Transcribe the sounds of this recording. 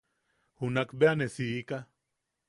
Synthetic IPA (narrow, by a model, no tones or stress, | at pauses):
hunakbeanesiːka